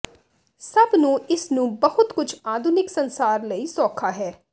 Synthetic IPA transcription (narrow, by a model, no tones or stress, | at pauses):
səbnũːɪsnũːbəɦʊt̪kʊd͡ʒʰaːd̪ʱʊnɪksənsaːɾləiːsɔːkʰaːɦɛː